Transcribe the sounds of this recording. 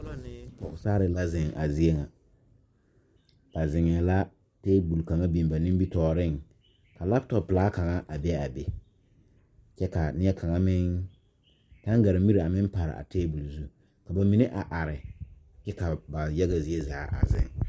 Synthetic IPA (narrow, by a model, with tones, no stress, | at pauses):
ʊ˦la˦nɪ˦pɔ˨ʊ˨saː˦ɾɪ˨la˦zɪ˨ŋa˨zi˦e˦ŋa˨ | b̥a˨zɪ˨ŋ˨ɛ˨la˦ | teː˦bu˨lka˨ŋa˦bi˨m˨ba˨nɪ˦m˦bi˦tɔː˨ɾɪ˦˨ŋ | ka˨la˦btɔ˨plaː˦ka˨ŋa˦ʔa˨bɛ˦a˨be˨ | t͡ʃɛ˦ka˨nɪ˦ɛ˦kʰa˨ŋa˦mɪ˦ŋ | ta˦ŋ˦ɡa˨ɾa˨mi˦ɾi˨a˨mɪ˦m˦pa˨ɾɪ̰˨ʔa̰˨teː˦bu˨lzu˦ | ka˨ba˨mi˦nɪ˦ʔa˨ʔa˨ɾɪ˨ | t͡ʃɛ˦ka˨ba˨jɛ˦ɣa˨zi˦e˦zaː˨˦ʔa̰˨zɪ̰˦˨ŋ